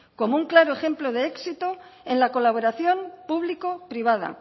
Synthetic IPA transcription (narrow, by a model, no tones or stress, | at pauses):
ko̞mouŋklaɾoexe̞mplo̞ð̞eeksit̪oenlako̞laβ̞o̞ɾaθjo̞mpuβliko̞pɾiβað̞a̰